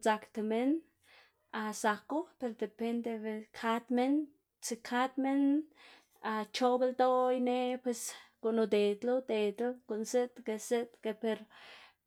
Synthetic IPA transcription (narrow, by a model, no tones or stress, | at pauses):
t͡sakt̪emen | asakopeɾd̪epend̪ebekʰat̪men | t͡sikʰat̪men | at͡ʃobelt̪ojnepweskonod̪et̪lod̪et̪lokonset̪keset̪kepeɾ